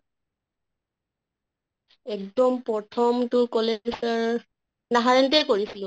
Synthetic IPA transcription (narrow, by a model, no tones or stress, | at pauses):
ɛkdɔmpɹɔtʰɔmtʊkɔlesɔɹ | naɦaɹɛntejkoɹisilʊ̃